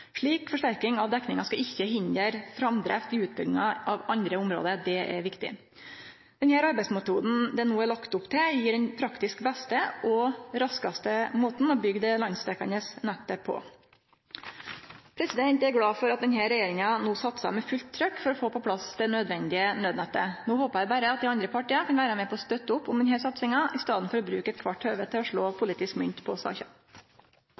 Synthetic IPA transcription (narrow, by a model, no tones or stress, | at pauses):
ʂɭiːkfɔʂʈæɾkɪŋɑʋd̪ɛknɪŋɑskɑɪçːəɦɪnd̪əɾfɾɑmd̪ɾæ̰ft̪ɪʉːt̪̚bʏɡd̪ɪŋɑɑʋɑnd̪ɾəʊmɾo̰ːd̪əɾd̪ɛʔɛ̰ɾʋɪkt̪ɪ̰ | d̪̥ɛnhæːɾɑɾbæɪsmɛt̪uːd̪n̩d̪ɛnuːæɾɭɑkt̪ʊpt̪ʰɪjiːɖɛnpʰɾɑkt̪ɪskbɛst̪əʔɔɾɑskɑst̪əmoːt̪n̩ɔbʏɡd̪ɛlɑnst̪ɛkɑnəsnɛt̪ːəpʰːɔ̰ | pʰɾɛsɪd̪ɛnt̪ɛɾɡɽɑːfɔɾɑt̪̚d̪ɛnɦæɾɛjeːɾɪŋɑnuːsɑt̪sɑ̰mɛfʉlt̪ʰːɾœkːfɔɾɔfoːpɔpʰlɑsd̪ɛnœd̪ʋɛnd̪ɪənøːd̪nɛt̪ːənuːhoːpɑæɪbæːɾəɑt̪̚d̪ɪɑnd̪ɾəpʰɑʈiːɑnkʰɑnʋæːɾəmɛpʰɔɔst̪œt̪ːəʊpːʊmd̪ɛnhæːʂɑt̪sɪŋɑʔɪst̪ɑːd̪n̩fɔɾɔbɾʉːkəɛt̪̚kʰʋɑʈhøːʋət̪ʰɪlɔʂɭoːpʰʊliːt̪ɪskmʏnt̪pʰɔsɑ̰ːçɑ̰